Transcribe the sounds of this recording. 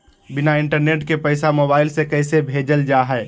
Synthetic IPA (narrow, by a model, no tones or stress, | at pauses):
bɪnaɪ̃ɳʈəɾneːʈkepəɪsamoːbaːɪlsekɛːsebʱeːd͡ʒəld͡ʒaːɦɛː